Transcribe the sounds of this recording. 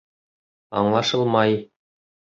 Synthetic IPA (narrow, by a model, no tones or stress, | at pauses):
ɑ̰ɴlˠɑʃɤlˠmɑj